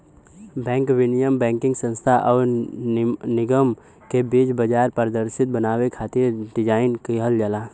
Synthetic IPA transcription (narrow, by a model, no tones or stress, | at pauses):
bɛ̃ːŋkʋɪnijəmbɛ̃ːŋkɪ̃ŋɡsə̃nst̪ʰaʔɔːɾ | nɪɡəm | kebiːt͡ʃbəd͡ʒaːɾpəɾəd̪əɾsɪt̪̚bənaːwekʰaːt̪iɾɖɪd͡ʒaːɪnkiɦəld͡ʒəlaː